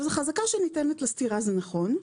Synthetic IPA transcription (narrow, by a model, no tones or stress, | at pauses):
zeχazakaʃenitenetlastiʁazenaχo̞n